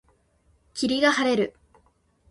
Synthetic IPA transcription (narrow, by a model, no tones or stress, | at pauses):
kʲiɾʲiɡahaɾe̞ɾɯ̟